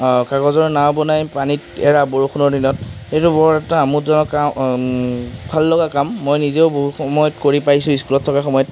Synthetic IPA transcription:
kaɡɔzɔɹnawbɔnajpanitɛɹaboɹuxʰunɔɹdinɔtetʊbɔɹɛtaːmutzɔnɔa | bʱalːɔɡakamːojnizeʊboɦuxɔmɔjɔtkoɹipajsʊ̃iskulɔtʰːɔkaxɔmɔjɔt

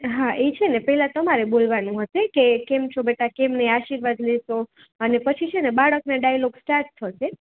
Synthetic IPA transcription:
ɦaʔet͡ʃʰenepɛɦɛlat̪əmaɾebolʋanũɦəʃekekemt͡ʃʰobeʈakemneaʃiɾʋad̪leʃo | ənepət͡ʃʰit͡ʃʰenebaɭəknaɖajloɡsʈaɾʈt̪ʰəʃe

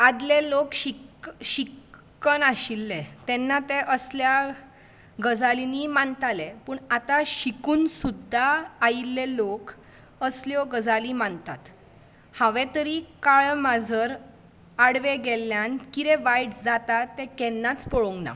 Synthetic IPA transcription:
ad̪lelokɕikɕikː | ənaɕilːet̪ɛnːat̪eʔəslja | ɡəd͡zalinimant̪alepəːɳat̪aɕikuːnsud̪ʱaːilːelok | əsljɔɡəd͡zalimant̪at̪ | hãʋɛ̃t̪əɾikaɭmad͡zʱəɾ | aɽʋeɡɛlːjankit̪ɛ̃ʋajʈd͡zat̪at̪ːɛkɛnːat͡spɔɭoŋɡna̰

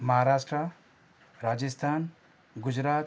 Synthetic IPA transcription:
mɐɦaɾaːʃʈɾa | ɾaːd͡ʒist̪ʰaːn | ɡud͡ʒɾaːt̪

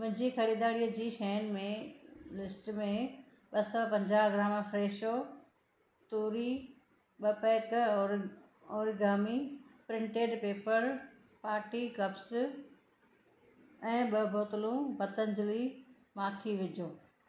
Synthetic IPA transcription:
mɪ̃d͡ʑikʰɐɽiːd̪aːɽijəd͡ʑiːʃɛːnmẽlɪsʈmẽ | ɓɐsɔpɐ̃ɲd͡ʑaːɦɡɾaːmfɾeːʃo | t̪uːɾi | ɓɐpɛːkː | oːɾɡaːmipɾɪ̃ɳʈeːɖpeːpəɾ | paːʈikɐbs | ɛ̃ːɓɐbʱoːt̪lũbɐt̪ənd͡ʑɪli | maːkʰiʋɪd͡ʑʱoː

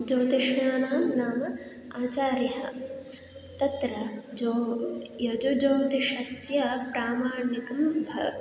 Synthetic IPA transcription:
d͡ʒoːt̪iʃɳaːnaːmnaːmɐ | aːt͡ʃaːɾjɐɦɐ | t̪ɐt̪ɾɐd͡ʒojɐd͡ʒod͡ʒoːt̪iʃɐsjɐpɾaːmaːɾɳikɐmbʱɐ

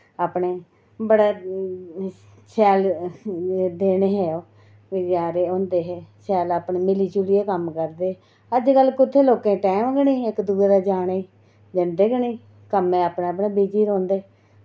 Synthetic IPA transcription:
aːpɳeː | bəɽaː | sɛːl | d̪eːɽeːɦɛːoː | ʋid͡ʒaːɾeːõːnd̪eːɦɛːsɛːlaːpɳeːmɪliːt͡ʃulieːkəmkəɾd̪eː | əd͡ʒkəlkʊt̪ʰːeːloːkẽːʈɛːmɡəniːɪkd̪uːeːd̪aːd͡ʒaːɽ̃eː | d͡ʒənd̪eːɡənĩː | kəmẽːaːpɳẽəpɳẽːbiːd͡ʒiːɾõːnd̪eː

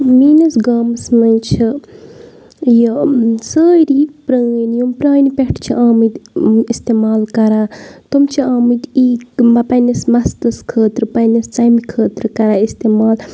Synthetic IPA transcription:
miːnɐsɡaːmɨsmɐnt͡ʃʰi | jɐsəːɾipɾəːnjumpɾaːnipeʈʰt͡ʃʰiʔaːmɨd̪ist̪emaːlkɐɾaːt̪umt͡ʃʰiaːmɨt̪iːmɐpɐnɐsmɐst̪ɨskʰəːt̪ɾɨpɐnɐst͡sɐjmikʰəːt̪ɾɨkɐɾaːist̪emaːl

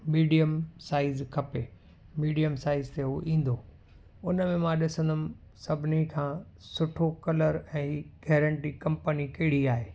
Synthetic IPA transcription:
miːɖijəmsaːɪzkʰɐpe | miːɖijəmsaːɪzt̪eɦuoʔĩːn̆d̪oː | ʊnmẽmãːɗɪsə̃nd̪ənɪ̆ | sɐbʱɪnikʰãː | sʊʈʰokɐləɾɛ̃ːɡɛːɾə̃ɳʈikɐ̃mpənikɐɪɽ̤iaːɦeː

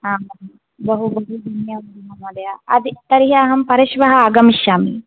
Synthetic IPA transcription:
aːm | bɐɦubɐɦud̪ʱunjɐmunjɐmɐlɐjaɐd̪it̪ɐɾiɦɐːɦɐmpɐɾɐʃʋɐɦɐaːɡɐmiʃjaːmḭ

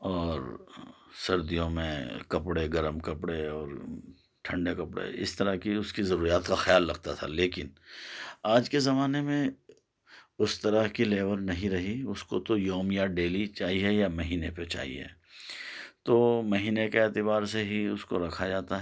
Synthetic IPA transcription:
ɔːɾ | sɐɾd̪ijõmḛ̃kɐpɽeɡɐɾəmkɐpɽeɔːɾ | ʈʰɐ̃ɳɖekɐpɽḛɪ̰st̪ɐɾəɦkiʊskizɐɾuːɾijaːt̪kaxjaːlːɐɡ̚t̪at̪ʰa̰leːkɪn | aːd͡ʒkezɐmaːnemẽ | ʊst̪ɐɾəɦkileːʋəɾnɐɦĩɾɐɦiʊskot̪ojɔːmjaɖeːlit͡ʃaːɦiɦɛjamɐɦiːnepet͡ʃa̰ːɦḭɦɛ̰ː | t̪oːmɐɦiːnekeeːt̪ɪbaːɾseɦiʊskoɾɐkʰad͡ʒaːt̪aɦɛ

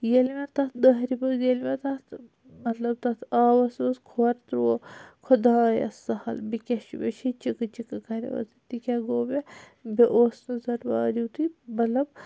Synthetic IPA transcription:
jelmɐt̪ɐt̪ʰd̪ɐɦɾibɐjelmɐt̪ɐt̪ʰ | mɐt̪lɐb̚t̪ɐt̪ʰaːʋɐsʋɐskʰoɾt̪ɾuwokʰod̪aːjɐ̰sɐhɐ̰lbikʲɐʃibḛʃʰit͡ʃikɨt͡ʃikɨkʰɐɾɐ̰ʋɐ̰t̪ʰit̪ikʲɐɡoːbe | beʔoːsnɨzɐɾba̰ːɾiwt̪ibɐlɐb

